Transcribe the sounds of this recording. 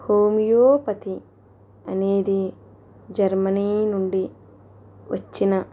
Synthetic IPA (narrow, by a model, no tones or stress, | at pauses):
hoːmijoːpɐt̪i | ɐneːd̪i | d͡ʒɐɾmɐniːnuɳɖi | ʋɐt͡ʃːinɐ